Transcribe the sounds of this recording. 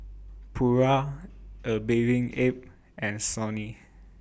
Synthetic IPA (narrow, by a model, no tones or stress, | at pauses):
pʰuɹaʔəbevĩŋep̚ | ɛ̃nsɔni